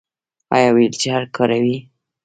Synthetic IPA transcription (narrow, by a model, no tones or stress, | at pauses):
ɑ̰jɑwajəlt͡ʃehaɾkʰɑɾawi